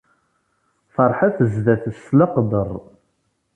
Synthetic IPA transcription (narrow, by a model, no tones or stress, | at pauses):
fɑɾˤħaθəzðæθəsləqd̪ərˤ